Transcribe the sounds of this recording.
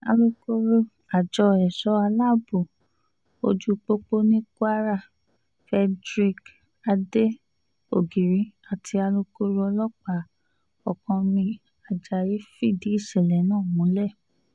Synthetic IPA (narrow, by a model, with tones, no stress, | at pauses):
a̰˧lo˧ko˦ɾo˧ | a˨d͡ʒɔ˧ɛ˨ʃɔ˨˦a˧la˦˨bo˨ | o̰˧d͡ʒu˦k͡po˦k͡po˦nĩ˦ka˦ɾa˦˨ | fɛ˧dɾi˧k | a˧de˦ | o˦˨ɡi˨ɾĩ˨˦a˨tʰi˧a˧lo˧ko˦ɾo˦ɔ˧lɔ˦k͡pa˦˨ | ɔ˨kã˧mĩ˧ | a˨d͡ʒa˨ji˨˦fi˦˨di˨˦i˦˨ʃɛ˨lɛ˨˦nãː˦˨mũ˨˦lɛ˦˨